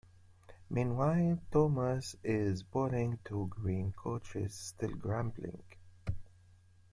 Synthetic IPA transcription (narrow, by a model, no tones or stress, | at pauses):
mĩnwaɪtʰoməsɪzbɔɾɪ̃ŋtʰuɡɹĩːnkʰot͡ʃɪ̰z̥stɪlˠɡɹæ̃mblɪ̰̃ŋ